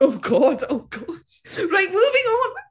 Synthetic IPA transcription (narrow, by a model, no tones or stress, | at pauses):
oʊɡɔd̥oʊɡ̥ɔd̥ɹaɪʔ̚muːvɪ̃ŋə̃n